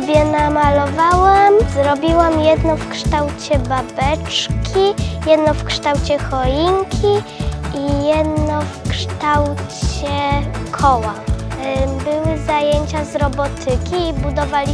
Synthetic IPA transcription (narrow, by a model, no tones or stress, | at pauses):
bʲjɛnamalɔvawamzɾɔbʲiwamjɛd̪nɔfkʂt̪awt͡ɕɛbabɛt͡ʂkʲʰijɛd̪nɔfkʂt̪awt͡ɕɛxɔjiŋkʲʰiijɛd̪nɔfkʂt̪awt͡ɕɛkʰɔwa | bɘwɘzajeɲt͡ɕazɾɔbɔt̪ʰɘkʲiːbud̪ɔvalʲi